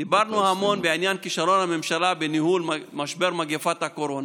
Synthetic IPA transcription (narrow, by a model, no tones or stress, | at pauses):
d̪ibaʁnuhamo̞nbeʕinjankiʃalo̞nhame̞mʃalabenihulmmaʃbe̞ʁmaɡefat̪hako̞ɾo̞na